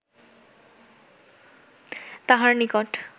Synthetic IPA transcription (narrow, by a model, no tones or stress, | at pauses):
t̪aɦaɹnikɔʈ